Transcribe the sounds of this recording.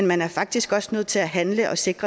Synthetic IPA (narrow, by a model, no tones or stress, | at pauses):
nmænæɐfɑ̈ɡ̥̚d̥isɡ̥ɒ̽snøð̰ˠt͡sʰe̝læɦænləʔɒ̽se̝ɡ̥ʁɐ